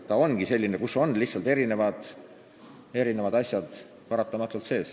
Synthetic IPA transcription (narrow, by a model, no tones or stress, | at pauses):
t̪ɑo̞nɡ̥ise̞lʲːinekuso̞nlihtsɑlt̪e̞ɾine̞vɑd̪̥ | e̞ɾine̞vɑd̪̥ɑsjɑd̪̥ | pɑɾɑt̪ːˑɑmɑt̪ːˑult̪se̞ːs